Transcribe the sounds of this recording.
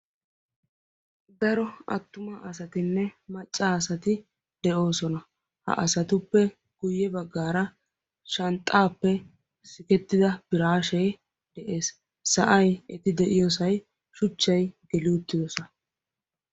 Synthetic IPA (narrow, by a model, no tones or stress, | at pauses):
d̪ɐɾɔɐt̪ːʊmɐʔɐsɐt̪ɪnːɛmɐt͡ʃʼːaːsɐt̪ɪ | d̪̥ɛʔo̞ːsɔnɐ | hɐ̰ʔɐsɐt̪ʊpːɛ | ɡ̥ʊjːɛbɐɡːaːɾɐ | ʃɐnt̪ʼːaːpːɛ | sɪkɛt̪ːɪd̪ɐb̥ɪɾaːʃɛj | d̪̥ɛʔe̞ːs | sɐʔɐjɛt̪ɪd̪ɛʔɪjɔsɐj | ʃʊt͡ʃːɐjɡɛlɪʊt̪ːɪd̪ɔsɔn